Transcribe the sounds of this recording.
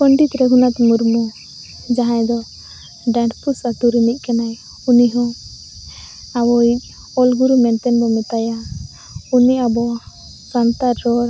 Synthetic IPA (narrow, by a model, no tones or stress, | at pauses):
pɔɳɖit̪ɾɛɡʱunat̪muɾmɔ | d͡ʒaɦãjd̪ɔ | ɖãɳʈpusat̪uɾinic̚ˀkɛnaj | uniɦɔ̃ | awɔic̚ | ɔlɡuɾumɛnt̪ɛnbɔmɛt̪aja | uniabɔ | sant̪aɾːɔɾ